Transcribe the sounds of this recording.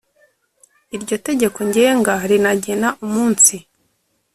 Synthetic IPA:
iɾɟo̞te̞ɟe̞ko̞ɲɟe̞ːŋɡaɾinaɟe̞naʔumuːnsi

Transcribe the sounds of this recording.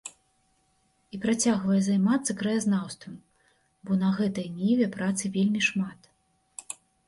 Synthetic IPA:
ipɾat͡sʲaɣvɐjɛzajmat̪sːɐkɾɐjaznawst̪vɐm | bɔnɐɣɛt̪ɐjnʲevʲɛpɾat̪sɨvʲelʲmʲiʂmat̪

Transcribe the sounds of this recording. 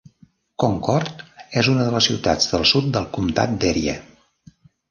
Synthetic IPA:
koŋkɔɾt̪ɛzunəðələsiwt̪a̰d͡zðəlˠsut̪̚d̪əlˠkumt̪a̰t̪̚d̪ɛɾiə̰

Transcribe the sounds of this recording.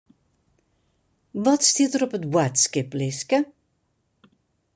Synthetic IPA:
vɔtstiətəɾɔpətwatskɪplɪskə

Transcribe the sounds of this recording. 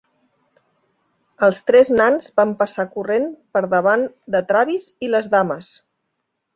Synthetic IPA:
əlˠst̪ɾɛznanzbampəsakurenpəɾðəβ̞and̪ət̪ɾaβiziləzðaməs

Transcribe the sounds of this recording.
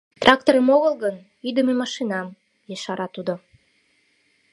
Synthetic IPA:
t̪rʔɑk̚t̪oɾəmoɣəlɣən | yd̪əmemɑʃinɑm | jeʃɑɾɑt̪ud̪o

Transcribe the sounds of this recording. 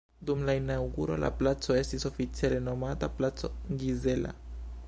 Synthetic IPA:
dumlaenawɡuɾo̞̰lʔa̰plat͡so̞e̞stiso̞fit͡sjele̞no̞mataplat͡so̞̰ɡize̞la̰

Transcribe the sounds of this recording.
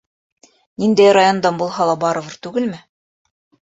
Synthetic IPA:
nind̪æjrajond̪ɑnbulˠɦɑlˠɑbɑɾɤ̆vɤɾt̪ʉɡɘlmɘ

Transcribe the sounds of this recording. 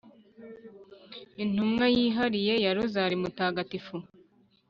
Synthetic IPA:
in̥umŋajiːɦaɾije̞jaɾuzaɾimutaːɡatifu

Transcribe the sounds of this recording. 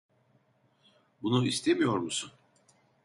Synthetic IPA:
bunuist̪ʰemijo̞ɾmusun

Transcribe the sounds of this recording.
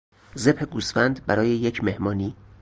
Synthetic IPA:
ze̞bheɡusfænd̪bæɾɒːje̞jecʰme̞hmɒːniː

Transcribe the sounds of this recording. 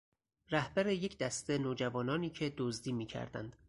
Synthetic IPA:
ræhbæɾeje̞cʰd̪æst̪e̞noːd͡ʒævɒːnɒːniːcʰe̞d̪ozd̪iːmiːcʰæ̰ɾd̪æ̰nd̪̥

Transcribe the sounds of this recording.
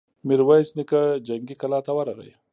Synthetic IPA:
miɾwajsnɪkad͡ʒaŋɡikalɑt̪awaɾaɣə̰j

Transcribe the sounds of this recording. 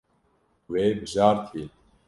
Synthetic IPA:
weːbɨʒaːɾt̪ʰi

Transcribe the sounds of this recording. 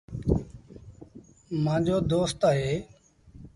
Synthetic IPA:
mãːd͡ʒoːd̪oːst̪aːɦeː

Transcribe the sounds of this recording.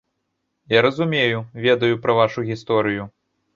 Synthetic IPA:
jaɾɐzumʲejuvʲɛd̪ɐjupɾɐvaʂuɣʲist̪ɔɾɨju

